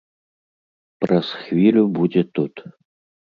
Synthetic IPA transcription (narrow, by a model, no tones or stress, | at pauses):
pɾɐsxvʲilʲubud͡zʲɛt̪ut̪